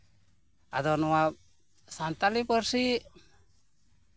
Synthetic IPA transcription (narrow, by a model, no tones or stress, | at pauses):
a̰d̪ɔnɔwa | sant̪alipəɾsiʔ